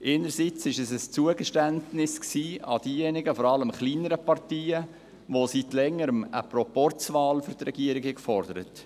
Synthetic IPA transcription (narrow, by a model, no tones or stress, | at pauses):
ʔeːnəɾsit͡sɪʃɛsəst͡suəɡəʃtæntnɪsksiːɑ̰d̥iːjɛnɪɡəfɔɾɑləmχliːnəɾəpɑrtiːə | ʋositlɛŋːəɾəmə̰pɾɔpɔrt͡svɑːlfyɾt̪ɾɛɡiəɾɪɡhɛkfɔrdəɾət